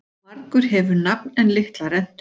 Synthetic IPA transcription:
maɾkʏɾ̥ɦɛvʏɾnapnɛnlɪht̪laɾɛn̥t̪

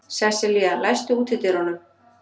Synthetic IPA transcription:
sɛsɪlialajst̪ʏuːt̪ʰɪt̪ɪɾ̥hɔnʏm

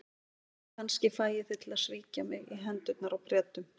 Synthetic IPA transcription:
kʰanscɪfaːjɪθɪt̪ʰɪlasviːcamɪɣiɦɛnt̪ʏt̪naɾawpɾjɛːt̪ːʏm

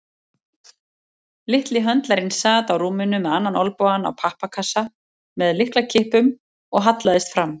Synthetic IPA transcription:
lɪht̪lɪɦœnt̪laɾɪnsaːt̪awɾuːmɪnʏmɛðanːanɔlpɔana̰wpʰahpakʰasa | mɛðlɪhklacʰɪːhpʏm | ɔɣɦat̪laðɪst̪fɾamː

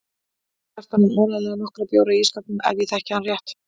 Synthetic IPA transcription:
ɛft̪ananɔːɾalɛɣanɔhkɾapjoːwɾaiisk̪ap̪nʏɛ̰ðviθɛhcɪanrjɛht̪

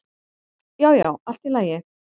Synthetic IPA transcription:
jaːwja̰wal̥t̪ilaːjɪ

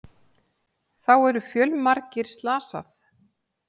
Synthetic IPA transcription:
θawɛɾʏfjœlmaɾcɪɾ̥st̪laːsa̰θ

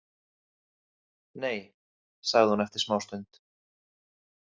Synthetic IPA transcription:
neːj | saɣðɪhunɛft̪ɪ̥smaːwst̪œɥnt̪

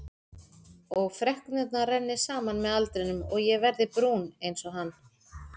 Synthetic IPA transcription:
ɔɣfɾɛhknʏt̪narɛnːɪsaːmanmɛðalt̪ɾɪnʏmɔɣjɛvɛɾðɪpɾunejnsɔɦanː

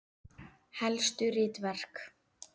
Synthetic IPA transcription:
hɛlst̪ʏɾɪːt̪vɛr̥k

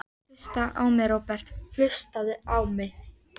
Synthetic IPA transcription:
st̪aʔawmɛɾowpɛr̥t̪l̥ʏst̪aðɪawmɪ

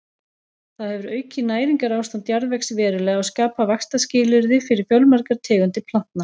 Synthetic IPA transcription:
θaðhɛvʏɾœːɥcɪnaːjɾiŋkaɾaːwst̪ant̪jaɾðvɛksvɛːɾʏlɛːɣawskaːpavakst̪ascɪːlʏɾðɪfɪɾɪɾ̥fjœlmaɾkaɾ̥t̪ʰɛːɣʏnt̪ɪpʰl̥an̥t̪na

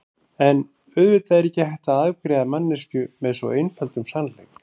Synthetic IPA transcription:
ɛn | ʏðvɪt̪aɛɾɛhcːɪhajht̪aaðkɾɛːðamanːɪscʏmɛðsɔ̰ejnfœlt̪ʏmsanl̥ejk

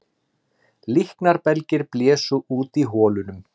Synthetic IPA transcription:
lihknaɾpɛlcɪɾplɛːsʏʔuːt̪iɦɔːlʏnʏm

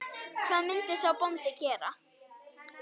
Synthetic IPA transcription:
kʰvaðmɪnt̪ɪsawpɔnt̪ɪcɛːɾa̰

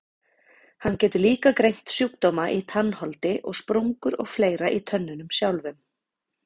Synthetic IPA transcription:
hanːcɛːt̪ʏliːkakɾejn̥t̪sjukt̪ɔwmaʔit̪ʰanːhɔlt̪ɪʔɔɣspɾuŋkʏɾɔ̰ɣfleːjɾaʔit̪ʰœnːʏnʏmsjawlvʏm

